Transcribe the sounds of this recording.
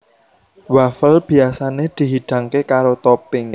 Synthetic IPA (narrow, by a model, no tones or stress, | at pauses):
wafəlb̥i̤asaned̪̥i̤ɦiɖ̪̥ä̤ŋkekaɾot̪ɔpɪŋ